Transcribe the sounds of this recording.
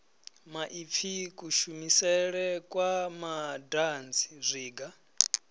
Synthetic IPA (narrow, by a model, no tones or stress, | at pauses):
maʔip̪fʰikʼuʃumisɛɺɛkʼwamadant͡sʰi̥zʷiːɡa